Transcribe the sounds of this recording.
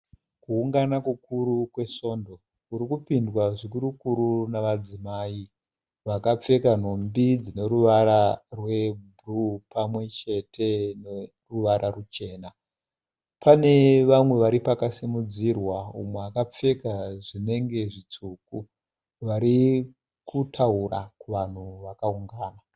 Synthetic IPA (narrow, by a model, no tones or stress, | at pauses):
kuuŋɡanakukuɾukwe̞so̞ːndo̞ | uɾikupindwaʐik̬uɾukuɾunaʋad͡zimaːi | ʋakap͡fe̞kan̤o̞mbid͡zine̞ɾuʋaɾarwe̞bʱurupamwe̞t͡ʃe̞tʰe̞ne | ruʋaɾarut͡ʃe̞ːna | pane̞ʋamwe̞ʋaɾipakasimud͡zirwaumweakap͡fe̞kaʐine̞ŋɡe̞ʐit͡suku | ʋaɾi | kutʰaura̰kuʋan̤uʋakauŋɡaːna